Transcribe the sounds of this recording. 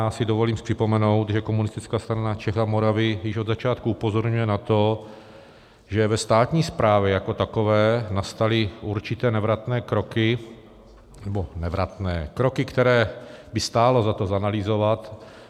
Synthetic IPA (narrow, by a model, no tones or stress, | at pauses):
aːsɪdovo̞liːmpr̝̥ɪpo̞mɛno̞wt̪ʒɛkomunɪst̪ɪt͡skaːst̪ɾanat͡ʃɛxamoɾavɪjɪʃod̪zat͡ʃaːt̪kuupo̞zoɾɲujɛnat̪o̞ | ʒɛvɛst̪aːt̪ɲiːspɾʔaːvjɛjako̞t̪ako̞vɛːnast̪alɪuɾt͡ʃɪt̪ɛːnɛvɾat̪nɛːkɾo̞kɪ | nɛbo̞nɛvɾat̪nɛːkɾokɪkt̪ɛɾɛːbɪst̪aːlo̞zat̪o̞zanalɪzo̞vat̪